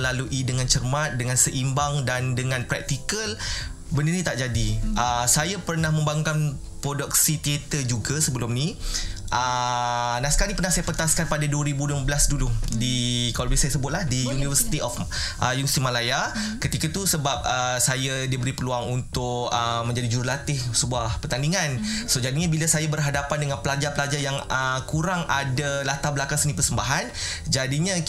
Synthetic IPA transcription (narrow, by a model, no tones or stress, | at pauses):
laluʔidəŋant͡ʃərmãt̪̚dəŋãnsəʔimbaŋdandəŋãnpɾɛ̰k̚t̪ikəl | bənərnĩt̪aʔd͡ʒadiʔəsajapərnahmə̃mbaŋuŋkan | pɾodɔk̚sit̪iet̪əd͡ʒuɡasəbəlʊmniʔə | nasə̥kalipərnahsajapət̪askanpadaduəɾibuduəməbəlasduludikalbisajasəbʊt̪̚lahdijunivəsi̥t̪iʔɔfʔəjunsimalajakət̪ikat̪usəbap̚əsajadibəɾipəluaŋunt̪ʊk̚əmə̃ɲd͡ʒadid͡ʒuɾulat̪ɪhsəbuahpət̪andiŋansod͡ʒadiɲabilasajabərɦadapandəŋanpəlad͡ʒapəlad͡ʒajaŋəkuɾaŋadalat̪ablakaŋsənĩpərsəmbaɦan | d͡ʒadiɲa